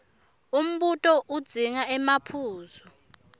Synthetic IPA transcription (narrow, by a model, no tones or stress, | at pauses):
um̩ɓutʼɔʔud̥z̥ʱiŋaɛmapʰuːzɔ